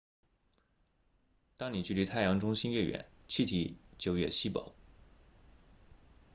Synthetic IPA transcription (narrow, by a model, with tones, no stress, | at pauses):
t̪ɑ˥ŋni˨˩t͡ɕy˥˩li˧˥t̪ʰa˥˩ɪjɑ˧˥ŋʈ͡ʂʊ˥ŋɕi˥nɥɛ˥˩ɥɛ̰˧˩˦nt͡ɕʰi˥˩t̪ʰi˧˥t͡ɕjo˨˩ʊɥɛ̰˥˩ɕi˥pɑ̰˨˩˦ʊ